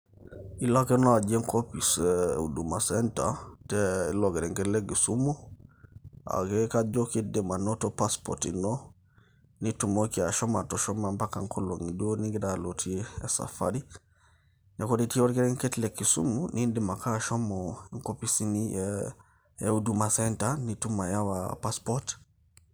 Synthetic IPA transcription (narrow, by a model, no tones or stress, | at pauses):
ilokenoad͡ʒeŋkopisṵdumasenta̰teilokeɾeŋketlekːisumu | a̰kekad͡ʒokidimanotopaspo̰ɾtḭno | nitumokiaʃɔmatɔʃɔmampakaŋkoloŋidiwoniŋɡidalotʰieːsa̰fa̰ɾi | nɛkoditiwoɾkɛɾɛŋkɛtlekːisṵmunʔindimakaʃɔmɔŋkopisini | eudumasɛntanitumajawapaspɔɾt